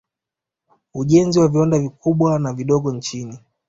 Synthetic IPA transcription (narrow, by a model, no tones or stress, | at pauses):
uʄɛnziwaviwandavikuɓwanaviɗɔɠɔnt͡ʃini